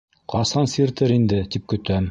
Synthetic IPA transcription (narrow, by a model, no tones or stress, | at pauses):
qɑsɑnsiɾt̪ɘɾind̪ɘt̪ip̚kɵ̆t̪æm